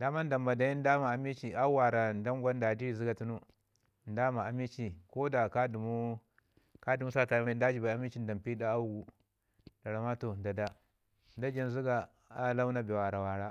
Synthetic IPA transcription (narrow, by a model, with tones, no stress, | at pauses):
da˨ma˦nda˨mba˨da˨ji˦n˦da˦ma˨a˨mi˦t͡ʃi˨a˦wa˨ɾa˨nda˦ŋ˦ɡʷa˦n˦da˨di˦i˨zi˦ɡa˨tu˦nu˦ | n˦da˦ma˨a˨mi˦t͡ʃi˨ko˦da˨ka˦du˨mu˦ | ka˦du˨mu˦sa˦˨ta˨˦ma˦n˦da˦d͡ʒi˨ba˨a˦mi˦t͡ʃi˦n˦da˨mpi˦da˦a˦u˦ɡu˨ | da˨ɾa˨ma˦to˨nda˨da˦ | n˦da˦d͡ʒa˦n˨zi˦ɡa˨ | a˦la˦wu˦na˦be˨wa˨a˨ɾa˨wa˨ɾa˦